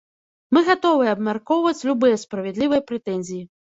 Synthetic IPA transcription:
mɨɣat̪ɔvɨjɐbmʲarkɔwvɐt͡sʲlʲubɨjɐspɾɐvʲɛd̪lʲivɐjɐpɾɛt̪ɛnʲzʲiji

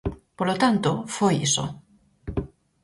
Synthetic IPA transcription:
polot̪ant̪ofojḭso̰

